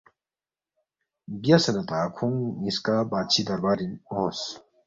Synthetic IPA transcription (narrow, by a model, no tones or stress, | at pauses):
bjɐsɐnɐt̪akʰuŋniskabat͡ʃʰid̪ɐɾbaɾinos